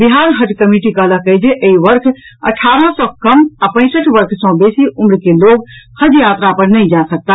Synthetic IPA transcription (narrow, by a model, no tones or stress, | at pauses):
biɦaɾɦəd͡ʒkəmiʈikələkəjd͡ʒeʔeiʋəɾkʰə̰ʈʰaɾə̃sɔ̃kəmapə̃ɪ̃səʈʰʋəɾkʰsɔ̃besiʔumɾkeloɡhəd͡ʒjat̪ɾapəɾnəjd͡ʒãsək̚t̪a